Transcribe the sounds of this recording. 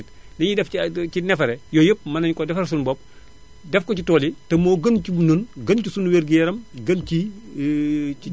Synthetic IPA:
t | liɲidɛfinɛfɐɾɛjɔjəp̚mɐnɐɲkɔdɛfɐɾs̬unbɔp̚ | dɛfkɔcitɔːlitɐmoːɡɐnt͡ʃununɡɐnt͡ʃusunweːɾɡijɛɾɐmɡɐnt͡ʃi

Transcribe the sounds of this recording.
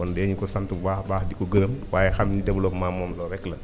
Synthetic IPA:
ɔndɛɲikusantubaːhbaːhdikuɡəɾəmwaːjɛxamɲidebulomaːmɔːmlɔɾɛklɐ

